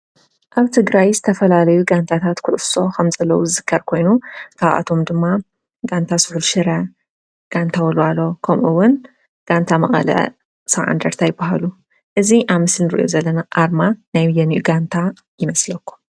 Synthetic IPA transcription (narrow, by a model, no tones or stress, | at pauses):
ʔaβt̪ʰɨɡɾajzɨt̪ʰɐfɐlalɐjuɡant̪ʰat̪ʰat̪kʰʊʔʊfso̞kʰɐmzɐlːɐwuzɨzɨkʰːɐɾkʰo̞jnukʰaβʔa̰t̪ʰo̞md̪ɨmːa | ɡant̪ʰasʊħulʃɨɾɐ | ɡ̥ant̪ʰawɐlalːo̞kʰɐmʔuwʊn | ɡ̥ant̪ʰamɐχʼɐ̰lɐ̰ | sɐβʕa̰nd̪ɐɾt̪ʰajɪbːaɦalu | ʔɨziʔaβmɨslnɨɾɨʔjo̰zɐlːɐnaʔaɾmanajjɐniʔuɡant̪ʰa | jɪmɐslɐkʰːu̥